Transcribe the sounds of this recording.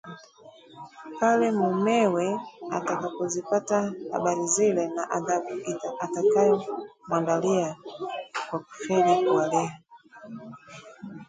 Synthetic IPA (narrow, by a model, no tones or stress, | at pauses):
palɛmumɛwɛa̰takapɔzipataha̰ɓaɾizilɛnaʔaðaɓuʔiatakajɔmwandalia | kwaku̥fɛlikuwalɛa